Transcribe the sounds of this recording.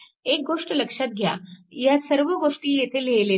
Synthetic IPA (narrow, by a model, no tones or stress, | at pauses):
ek̚ɡoʂʈələkʂat̪̚ɡʱja̰jasəɾʋəɡoʂʈiːjet̪ʰelejle